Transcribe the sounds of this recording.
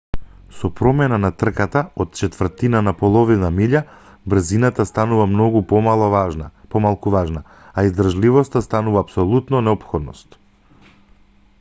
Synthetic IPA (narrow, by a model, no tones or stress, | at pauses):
sɔpɾɔmɛnanat̪r̩kat̪aɔt̪̚t͡ʃɛt̪vr̩t̪inanapɔlˠɔvinamiʎa | br̩zinat̪ast̪anuvamnɔɡup̪ | pɔmalˠkuvaʒnaː | izd̪ɾraʒlivɔst̪ast̪anuvaːpsɔlˠut̪nɔnɛɔpxɔd̪nɔ̰st̪